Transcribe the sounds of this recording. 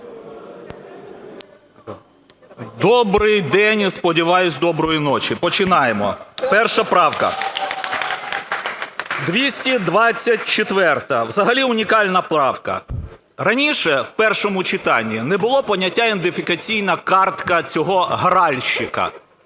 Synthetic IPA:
d̪ɔbɾɪjd̪ɛnʲspɔdʲiʋɑjʊsʲd̪ɔbɾɔjinɔt͡ʃipɔt͡ʃɪnɑjemɔ̰pɛrʃɐpɾɑwkɐ̰ | d̪ʋʲisʲtʲid̪ʋɑt͡sʲːɐt̚ʲt͡ʃɪt̪ʋɛrt̪ɐwzɐɦɐlʲiʊnʲikɑlʲnɐplˠɑwkɐ̰ | ɾɐnʲiʃɛwpɛrʃɔmʊt͡ʃɪt̪ɑnʲːinɛbʊlˠɔpɔnʲɐtʲːaend̪ɪfʲɪkɐt͡sʲijnɐkɑrt̪kɐt͡sʲɔɦɔɦɾɑlʲʃɪkɐ̰

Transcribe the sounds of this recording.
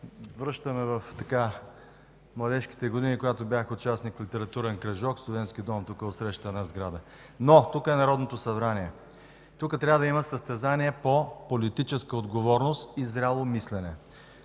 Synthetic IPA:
vɾɤʃt̪əmɛvəft̪ɐka | mlˠɐd̪ɛʃki̥t̪ɛɡod̪inikoɡat̪objaxəʊt͡ʃasnikflʲit̪ɛɾɐt̪uɾɛnkɾɐʒɔkslˠovɛnsk̟ʲid̪ɔmt̪ukəotsɾɛʃt̪t̪ənɐzɡɾad̪ə | not̪ukəɛnɐɾɔd̪not̪osɐbɾaniɛ | t̪ukət̪ɾʲavəd̪ɐiməsəst̪ɛzaniɛpopolit̪it͡ʃɛskəod̪ɡovɔɾnost̪izɾʲalˠomislɛnɛ

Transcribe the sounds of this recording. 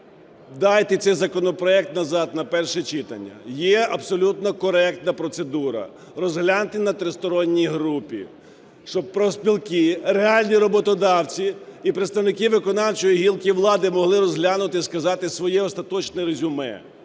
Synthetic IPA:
d̪ɑjt̪ɛt̪sɛjzɐkɔnɔpɾɔɛk̚t̪nɐzɑd̪nɐpɛrʃɛt͡ʃɪt̪ɐ̰nʲːɐ̰jɛɐbsɔlʲut̪nɔkɔɾɛk̚t̪nɐpɾɔt̪sed̪uɾɐ̰ | rɔzɦlʲanʊt̪ɪnɐt̪ɾɪst̪ɔɾɔnʲːijɦɾupʲḭ | ʃt͡ʃɔb̚pɾɔspʲilˠkɪɾeɑlʲnʲiɾɔbɔt̪ɔd̪ɑwt͡sʲiipɾet̪st̪ɐwnɪkɪʋɪkɔnɑwt͡ʃɔjiɦʲilˠkʲiʋlˠɑd̪ɪmɔɦlˠɪɾɔzɦlʲanʊt̪ɪskɐzɑt̪ɪsʋɔjɛɔst̪ɐt̪ɔt͡ʃnɛɾezʲʊmɛ̰

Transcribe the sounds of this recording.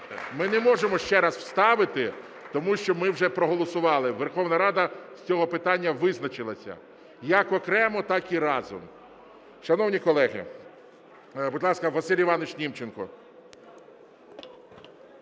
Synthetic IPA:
mɪnɛmɔʒemɔʃt͡ʃɛɾɑzw̥st̪ɑʋɪt̪ɪ | t̪ɔmuʃt͡ʃɔmɪwʒɛpɾɔɦɔlˠɔsʊʋɑlˠɪʋerxɔwnɐɾɑd̪ɐsʲt͡sʲɔɦɔpɪt̪ɑnʲːɐʋɪznɐt͡ʃɪlˠɐsʲɐ̰ | jɐkɔkɾɛmɔt̪ɑkiɾɑzʊ̰m | ʃɐnɔwnʲikɔlˠɛɦɪ̰ | bʊd̪ʲlˠɑskɐʋɐsɪlʲiʋɑnʊʃnʲimt͡ʃenkɔ

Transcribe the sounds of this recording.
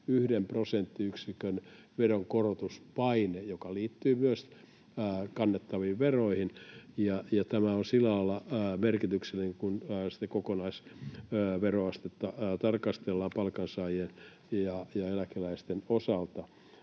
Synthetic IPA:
yhdemprosent̪ːiyksikøn | ʋeroŋkorot̪uspɑinejokɑliːt̪ːyːmyøs | kɑnːet̪ːɑʋiːʋʋeroihinjɑjɑt̪æmæonsilːælɑilːɑmerkit̪ykselːiniŋkunːsi̥t̪ːekokonɑis | ʋeroɑst̪et̪ːɑt̪ɑrkɑst̪elːɑːpɑlkɑnsɑːjien | jɑjɑelækilæist̪enosɑlt̪ɑ

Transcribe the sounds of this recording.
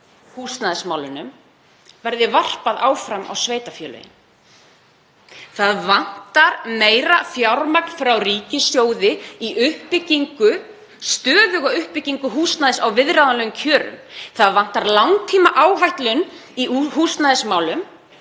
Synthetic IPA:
hust̪naðɪsmaːwlʏnʏm | vɛɾðɪvar̥paðaːwfɾama̰wsveːjt̪afjɛːlœ̰jɪ̰n | θaðvan̥t̪aɾmeːjɾafjaɾmaknfɾawriːcɪsjoːwðɪiʔʏhpɪcːiŋkʏ | st̪œːðʏɣaʏhpɪcːiŋkʏɦuːst̪naðɪsawvɪðɾaðalɛːɣʏmcʰœːɾʏ̰mθaðvan̥t̪aɾlawŋt̪ʰiːmaʔaːwɦajht̪lʏniɦust̪naðɪsmaːwlʏm

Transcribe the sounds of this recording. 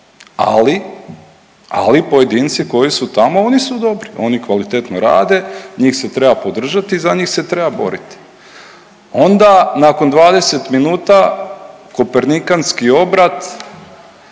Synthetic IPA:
a̰li | a̰lipo̞je̞d̪int̪siko̞jisut̪amo̞onisud̪o̞bɾiʔo̞nikʋalit̪e̞t̪noɾa̰ːd̪e̞ɲiːxse̞t̪ɾebapo̞d̪r̩ʒat̪iːzaɲiːxse̞t̪ɾe̞babo̞̰ɾit̪i̥ | o̞nd̪anako̞nd̪ʋaːd̪e̞se̞t̪minuːt̪a | ko̞peɾnikanskio̞bɾat̪

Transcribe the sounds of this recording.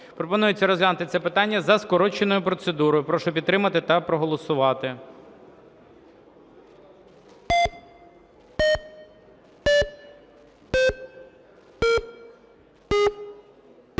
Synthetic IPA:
pɾɔpɔnujet͡sʲːɐɾɔzʋʲlʲanʊt̪ɪt̪sɛpɪt̪ɑnʲːɐzɐskɔɾɔt͡ʃenɔjʊpɾɔt̪se̞d̪uɾɔjʊpɾɔʃɔpʲit̪t̪ːɾɪmɐt̪ɪt̪ɐpɾɔɦɔlˠɔsʊʋɑt̪ɪ

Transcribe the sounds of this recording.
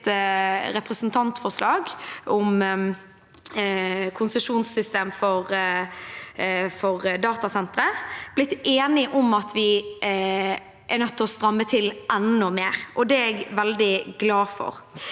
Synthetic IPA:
ɾɛpʁəsnt̪ʰɑnt̪fɔʂlɑːɡɔm | kʰʊnsəʂuːnsʏst̪eːmfɔɾ | fɔɾd̪ɑːt̪ɑsɛnt̪ɾəb̥lɪt̪ːeːnɪʔɔmɑt̪ʰʋɪ | ʔɛʁnœt̪ʰːɔst̪ɾɑmːət̪ʰɪlʔɛnːɔmeːɾʔɔd̪ɛɛɡʋɛld̪ɪɡlɑːfɔ̰ʁ

